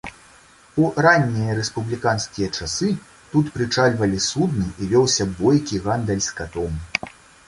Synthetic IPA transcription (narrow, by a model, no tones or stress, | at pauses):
uranʲːijɐɾɛspublʲikanskʲijɐt͡ʂasɨ | t̪ut̪pɾɨt͡ʂalʲvɐlʲisud̪nɨʔivʲɔwsʲɐbɔjkʲiɣand̪ɛlʲskat̪ɔm